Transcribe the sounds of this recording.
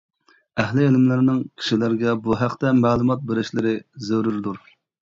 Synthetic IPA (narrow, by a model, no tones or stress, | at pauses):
ɛɦlɪelmlɪɾnɪŋkʲʰi̥ʃilæɾɡʲɛbuɦæqt̪ɛmæːlˠumɑt̪̚beɾɪʃlɪɾɪzøɾyɾd̪uɾ